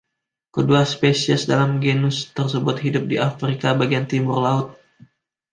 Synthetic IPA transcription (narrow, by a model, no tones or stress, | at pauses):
kəduaspesiəsdalamɡenʊst̪ərsəbʊt̪̚ɦidʊp̚diʔafɾikabaɡiant̪imʊrlaʊt̪̚